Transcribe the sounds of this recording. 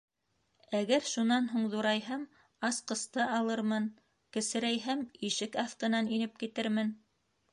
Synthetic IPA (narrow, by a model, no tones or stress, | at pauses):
æɡæɾʃunɑnɦuɴðuɾɑjɦɤm | ɑsqɤ̆st̪ɤʔɑlˠɤɾmɤn | kɘ̆sɘ̆ɾæjɦɘmiʃɘkɑθq̪ɤ̆nɑninɘp̚kit̪ɘɾmɘn